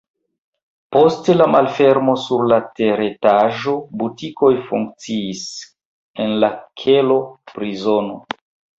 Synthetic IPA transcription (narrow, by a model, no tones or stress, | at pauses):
po̞stelamalfe̞ɾmo̞suɾlateɾetaʒo̞butiko̞jfuŋk̚t͡siːs | enlakʰelo̞pɾizo̞no̞